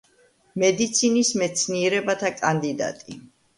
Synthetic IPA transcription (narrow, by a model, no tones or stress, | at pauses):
mɛd̪it̪sʰinismɛt̪sʰniɛɾɛbat̪ʰakʼand̪id̪a̰t̪ʼi